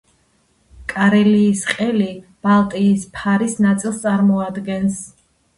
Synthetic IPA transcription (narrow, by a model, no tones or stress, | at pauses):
kʼaɾɛliːsqʼɛlib̥alˠt̪ʼiːspʰaɾisnat̪sʼilˠst̪sʼaɾmɔad̪ɡɛns